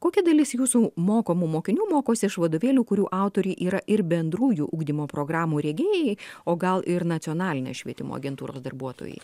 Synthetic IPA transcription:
koːkʲɛd̪ɐlʲɪsjuːsuːmoːkoːmumoːkʲɪnʲuːmoːkoːsʲɪɪʃʋɐd̪oːʋʲeːlʲuːkʊɾʲuːʔɑˑʊt̪oːɾʲuʔiːɾɐʔɪɾbʲɛnd̪ɾuːjuːʔuːɡd̪ʲimoːpɾoːɡɾɑːmuːɾʲɛːɡʲeːjɛɪoːɡɐlˠʔɪɾnɐt̪sʲɪoːnɑːlʲɪnʲo̰sʃʲʋʲiɛt̪ʲɪmo̰ːɐ̰ɡʲɛnt̪uːɾo̰ːsd̪ɐ̰rbuɔt̪o̰ːjɛ̰ɪ

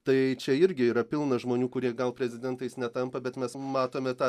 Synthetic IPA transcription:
t̪ɐɪt͡ʃʲɛɪɾʲɡʲɪiːɾɐpʲɪlˠnɐʒmoːnʲuːkʊɾʲiɛɡɐlˠpʲɾʲɛzʲɪd̪ʲɛnt̪ɐɪsnʲɛt̪ɐmpɐbʲɛt̪mʲɛsmɑːt̪oːmʲɛt̪ɑː

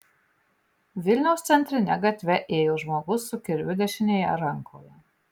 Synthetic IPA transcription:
vʲilʲnɔwst̪sʲɛnt̪ɾinʲæɡat̪ʲvʲɛʔeːjɔʒmɔɡusukʲiɾʲyd̪ʲɛʃʲinʲejaɾaŋkʰɔːja

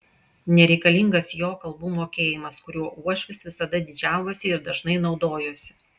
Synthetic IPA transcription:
nʲɛɾʲɛɪkɐlʲɪŋɡɐsjoːkɐlˠbuːmoːkʲeːjɪmɐskʊɾʲuɔʔuɔʃʲʋʲɪsʋʲɪsɐd̪ɐd̪ʲɪd͡ʒʲæˑʊʋosʲɪɪɾd̪ɐʒnɐɪnɒʊd̪oːjoːsʲɪ̥

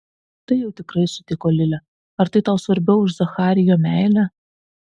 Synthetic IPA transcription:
t̪ɐɪjɛʊt̪ʲɪkɾɐɪsʊt̪ʲɪkoːlʲɪlʲɛ | ɐɾt̪ɐɪt̪ɐʊsʋɐɾʲbʲɛʊʊʃzɐxɑːɾʲɪjoːmʲæˑɪlʲæ

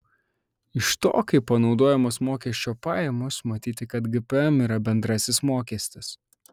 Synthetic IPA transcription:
ɪʃt̪o̰ːkɐɪpːɐnɒʊd̪oːjɛmosmoːkʲɛsʲt͡ʃʲoːpɑːjɛmʊsmɐt̪ʲiːt̪ʲɪkɐt̪ɡɪpɛmiːɾɐbʲɛnd̪ɾɐsʲɪsmoːkʲɛsʲt̪ʲɪs

